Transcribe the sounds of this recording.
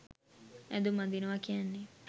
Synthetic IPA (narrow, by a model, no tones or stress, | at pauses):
ɛ̰d̪umãnd̪inoʋakianːi